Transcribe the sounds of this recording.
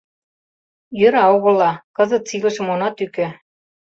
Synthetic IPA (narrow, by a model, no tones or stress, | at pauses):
jø̆ɾɑoɣɤ̆lːɑkɤ̆zɤ̆t̪̚t͡silɤ̆ʃə̆monɑt̪ykĕ